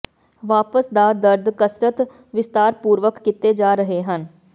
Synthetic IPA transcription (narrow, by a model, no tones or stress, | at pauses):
ʋaːpəsd̪aːd̪əɾd̪kəsɾət̪ | ʋɪst̪aːɾpuːɾʋəkːɪt̪ed͡ʒaːɾəɦeɦən